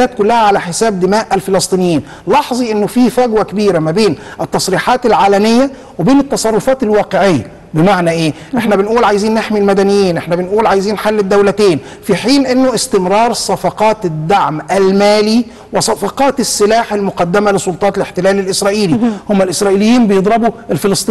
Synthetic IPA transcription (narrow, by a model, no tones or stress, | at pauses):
æːt̪̚kʊlːæhæʕalæħesæːb̚d̪ɪmæːʔælfelɑsˤt̪ˤiːnɪjːiːn | lɑħzˤiʔɪnːofiːfæɡwækebiːɾæmæbeːnʔɪt̪ːɑsˤɾiːħɑːt̪ælʕaːlæmɪjːæ | webeːnɪt̪ːɑsˤɑrˤːofɑːt̪ɪlwɑːqeʕejːæ̰ | bemaʕnæʔeː | ʔʔeħnæbɪnʔuːlʕajziːnːeħmilmæd̪ænɪjːjːiːnʔeħnæbɪnʔuːlʕajziːnːħalːɪd̪ːæwlæt̪eːn | fiħiːnʔɪnːoʔɪst̪ɪmɾɑːɾˤsˤɑfɑqɑːt̪d̪ːaʕmʔælmæːli | wɪsˤɑfɑqɑːt̪ɪsːɪlaːħelmʊqɑd̪ːæmælɪsˤolt̪ˤɑːt̪leħt̪elæːlɪlʔɪsɾˤɑːʔiːlihomːælʔɪsɾˤɑːʔiːlɪjːiːmbejed̪ˤɾɑbuʔelfelɑsˤt̪ˤiː